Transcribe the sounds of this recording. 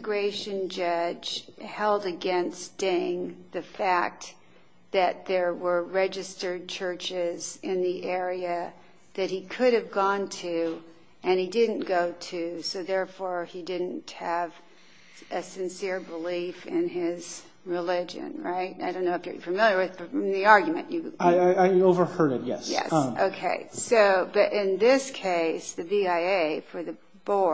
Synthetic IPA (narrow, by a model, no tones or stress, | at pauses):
ɡɹeɪʃɨ̃nd͡ʒʌ̥d͡ʒ̥hɛlˠdɨɡɛ̃nsd̥ẽŋðɨfæk̚t̚ | ðɨt̪̚ðə˞wə˞ɹɛd͡ʒɨstə˞d̚t͡ʃʰɜ˞t͡ʃɪzɪ̃nðiʔɛɹiɨ | ðɨt̚hikʰʊɾɨvɡɔ̃ntʰʉ | ʔɨ̃nidɪdⁿn̩ɡ̥oʊɾʰʉsoʊðɛɹfɔɹidɪdⁿn̩thɨv | ʔɨsɨ̃nsɪɹbəlifɪ̃nɪz̥ | ɹɪlɪd͡ʒɨ̰̃nɹaɪt̚aɪɾõʊ̃nːoʊɨfjə̰˞fɨmɪlˠjə˞wɨð̥fəʌ̃mðiɑɹɡjmɨ̰̃nɨaɪaɪaɪoʊvə˞hɜ˞ɾɨt̚jɛ̰sjɛ̰so̰ʊkʰeɪsoʊb̥ʌɾʔɪ̃nðɪskʰeɪsðɨviaɪeɪfə˞ðɨ | b̥ɔ